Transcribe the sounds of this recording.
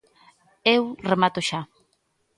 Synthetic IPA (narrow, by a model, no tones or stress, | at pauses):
ewremat̪oʃa